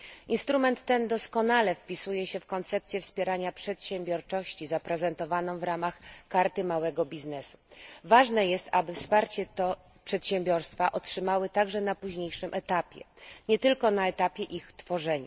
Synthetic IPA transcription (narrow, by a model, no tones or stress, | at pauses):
ʔinst̪ɾumɛnt̪ːɛnd̪ɔskɔnalɛfpʲisujɛɕɛfkɔnt̪sɛp̚t̪sʲjɛfspʲjɛɾaɲapʂɛt̪ɕɛmbʲjɔɾt͡ʂɔɕt͡ɕizapɾɛzɛnt̪ɔvanɔ̃w̃vɾamaxkaɾt̪ɘmawɛɡɔbʲiznɛsu̥vaʐnɛjɛst̪abɘfspaɾt͡ɕɛt̪ɔ | pʂɛt̪ɕɛmbʲjɔɾst̪faʔɔtʂɘmawɘt̪aɡʐɛnapuʑɲejʂɘmʔɛt̪apʲjɛ̰ɲɛt̪ɘlkɔnaɛt̪apʲjɛʔixt̪fɔʐɛɲa̰